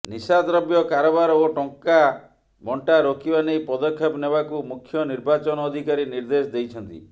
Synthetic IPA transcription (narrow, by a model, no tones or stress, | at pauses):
nisad̪ɾɔbjɔkaɾɔbaɾɔoʈɔŋka | bɔɳʈaɾokibanejpɔd̪ɔkʰːjɔpnebakumukʰːjɔniɾbat͡ʃɔnɔːd̪ʱikaɾiniɾd̪esd̪ejt͡ʃʰɔnt̪ḭ